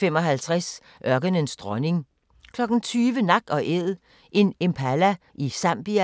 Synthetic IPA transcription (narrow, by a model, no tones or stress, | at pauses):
femɒ̽ɦælt͡sʰʁas | ʔɶɐɡ̥ənənsd̥ʁɒ̽ne̝ŋ | kʰlɒ̽ɡ̥n̩t͡sʰyːʋənɑ̈ɡ̥̚ɒ̽ʔeð̰ˠ | ʔe̝nempʰælæʔisæmb̥iæ